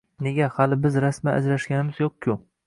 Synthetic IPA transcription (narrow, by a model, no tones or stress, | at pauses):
ne̞ɡʲahalɪbɪzɾasmaa̰d͡ʒɾaʃɡʲanɪmɪzjoq̚kʲʰʊ